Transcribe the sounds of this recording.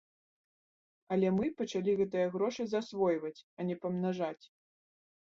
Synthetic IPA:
ɐlʲɛmɨpɐt͡ʂalʲiɣɛt̪ɨjɐɣɾɔʂɨzasvɔjvɐt͡sʲɐnʲɛpɐmnaʐat͡sʲ

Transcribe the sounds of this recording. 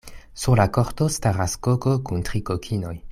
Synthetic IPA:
suʁlakoʁtostaʁaskokokuntʁikokʰino̞j

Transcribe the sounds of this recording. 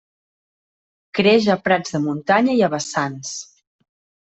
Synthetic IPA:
kɾeʒəpɾad͡zðəmunt̪aɲəiəβəsans

